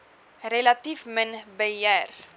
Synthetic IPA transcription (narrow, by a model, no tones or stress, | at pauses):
relatifmənbəjɛr